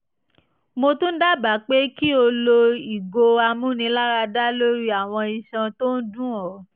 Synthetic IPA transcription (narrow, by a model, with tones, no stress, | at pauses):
mo˧tũ˦n̩˦da˦˨ba˨˦˨k͡pe˦ki˦o˧lo˧i˨ɡo˧a˧mũ˨˦nĩ˧la˦ɾa˧da˦lo˦ɾi˦a˨w̃ɔ̃˧i˧˨ʃã˧to˦n̩˦dũ˦˨ɔ˨˦